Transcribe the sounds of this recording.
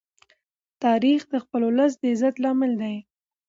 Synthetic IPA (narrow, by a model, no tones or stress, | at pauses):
t̪ɑɾixd̪əxpəloləs̬d̪əɪzat̪lɑmɪld̪aj